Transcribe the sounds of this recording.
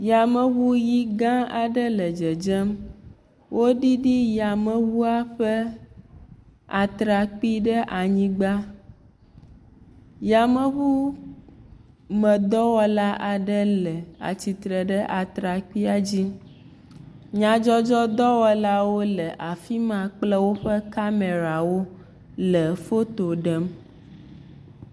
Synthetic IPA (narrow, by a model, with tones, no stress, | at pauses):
ja˨mɛ˦βu˦ji˦ɡã˦a˨ɖə˦lɛ˨d͡ʒɛ˨d͡ʒɛ˦m | wʔo˦ɖi˦ɖi˦ja˨mɛ̃˨βu˦a˦ɸɛ˦ | a˨t̪ɾa˨k͡pi˦ɖə˦ʔa˨ɲĩ˦ɡ͡ba˦ | ja˨mɛ˦βu˦ | mə̃˨d̪ɔ˦wɔ˦la˦ʔa˨ɖə˦lɛ˨a̰˨t͡ɕi˨t̪ɾə˨ɖə˦ʔa˨t̪ɾa˨k͡pi˦a˨d͡ʑi˦ | ɲã˨d͡ʒɔ˦d͡ʒɔ˦d̪ɔ˦wɔ˦la˦wo˦lə˨ʔa˨fi˦mã˨k͡plɛ˦wo˦ɸə˦ka˦me˨ɾa˨wo˦ | lə˨fo˦t̪o˨ɖɛ˦m